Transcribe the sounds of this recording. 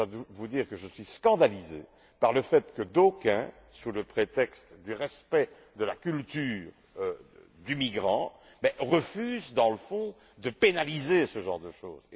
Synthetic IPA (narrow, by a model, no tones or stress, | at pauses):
ad̪əvud̪iːʁkəʒəsɥiskɑ̃d̪alizḛ | paʁləfɛt̪kəd̪okɛ̃ | suləpχet̪ɛkst̪d̪yʁɛspɛ | d̪əlakʲylt̪yːʁ | ø | d̪ymiɡʁɑ̃ | bɛʁəfyzd̪ɑ̃ləfɔ̃ | d̪əpenalizesəʒɑ̃ʁd̪əʃo̰ːz̥